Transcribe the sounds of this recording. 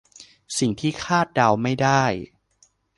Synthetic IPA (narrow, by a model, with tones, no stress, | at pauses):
si˨˩ŋt̪ʰiː˥˩kʰaː˥˩t̪̚da˧wma˥˩jdaː˥˩j